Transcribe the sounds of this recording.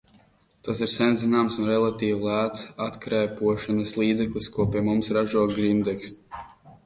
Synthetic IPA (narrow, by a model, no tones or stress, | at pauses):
t̪asiɾsɛnzinaːmsunɾɛlˠat̪iːwlˠæːt̪sat̪kɾɛːpuɔʃanɐslˠiːd̪zɛklˠiskuɔpʲiɛmumsɾaʒuɔɡɾind̪ɛks